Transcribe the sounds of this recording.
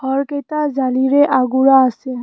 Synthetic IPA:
hɔɾket̪ad͡ʒaliɾeʔaɡuɾaːse

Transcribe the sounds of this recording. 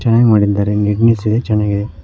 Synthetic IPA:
t͡ʃɛnːaːɡmaːɽid̪ːaːɾeɡiɡnesid̪et͡ʃɛnːaːɡid̪e

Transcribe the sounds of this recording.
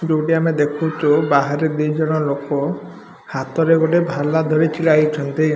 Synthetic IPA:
d͡ʒowʈiamed̪ekʰut͡ʃʰubaɦaɾed̪ejd͡ʒɔɽ̃ɔlokɔ | hat̪ɔɾeɡɔɖebʱalad̪ʱɔɾet͡ʃʰiɭajt͡ʃʰɔnt̪i

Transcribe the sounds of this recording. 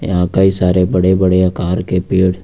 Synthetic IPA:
jãːkaisaːɾebɐɽebɐɽeɐkaːɾkepeːɽ

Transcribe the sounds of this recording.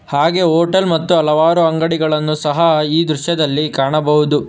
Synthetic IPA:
haːɡe̞ɦoːʈɐlmɐt̪ːuɐlɐʋaːɾuɐŋɡɐɽiɡɐɭɐnːusɐɦɐiːd̪ɾuʃjɐd̪ɐlːikaːɳɐbɐɦud̪u

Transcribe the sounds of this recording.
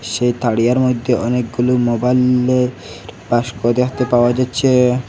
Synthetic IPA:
ʃejt̪aɽijaɾmod̪ʱːeʔɔnek̚ɡulumobajl | ɾpaʃkod̪eɦot̪epaoad͡ʑatːɕʰe

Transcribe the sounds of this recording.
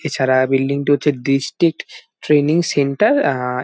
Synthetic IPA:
et͡ɕʰaɾabilɖiŋʈiɦotːʰeɖisʈɾik̚ʈː | ɾeniŋseɳʈaɾ

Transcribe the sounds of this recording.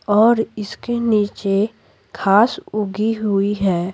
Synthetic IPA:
ɔːɾɪskeniːt͡ʃe | kʰaːsʊɡiɦʊiɦɛː

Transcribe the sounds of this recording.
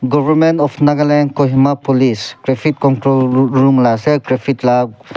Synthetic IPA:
ɡɔvəɾmẽntɔfnaɡalenkoɦimapoliskɾefit̚kɔntɾolɹumlasekɾefʰitla

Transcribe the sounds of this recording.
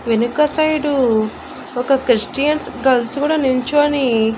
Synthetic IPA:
ʋenukɐsɐjɖu | ɔkɐkɾisʈijɐnsɡɐlskuːɽaːnuɲt͡ʃuɐni

